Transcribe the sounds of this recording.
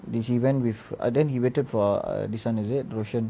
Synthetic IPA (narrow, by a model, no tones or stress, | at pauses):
dɛhiwɛ̃nwifa̰dɛ̃nhiwetədfɔ̰disãnizit̚ɹoʃə̃n